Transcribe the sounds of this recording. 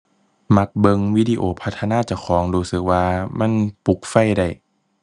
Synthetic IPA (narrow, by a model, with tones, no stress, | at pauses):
ma˧˦k̚bɤ˧ŋwi˦˧˥diː˧ʔoː˧˩pʰa˦˥t̪ʰːa˧naː˧˥˨t͡ɕa˧˩kʰɔː˨˩˦ŋɾuː˧sɯ˨˩k̚waː˧ma˧˥˨npu˨˦k̚fa˧˩˨jda˧˩j